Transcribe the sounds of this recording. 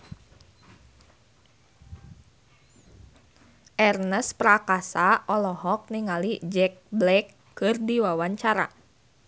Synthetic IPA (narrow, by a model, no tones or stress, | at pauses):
ʔɛrnəspɾakasaʔɔlɔɦɔk̚niŋalid͡ʒɛkblɛkː | ɨrdiwawaɲt͡ʃaɾa̰